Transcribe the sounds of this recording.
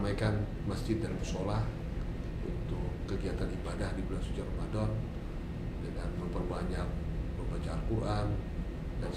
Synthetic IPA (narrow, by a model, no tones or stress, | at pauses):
majkan | masd͡ʒɪt̪̚danməsolah | ṵnt̪ʊkːəɡiat̪anibadahdibulasut͡ʃaramadɔn | dəŋanməmpərbaɲak̚bəmbat͡ʃaarkuʔan | dan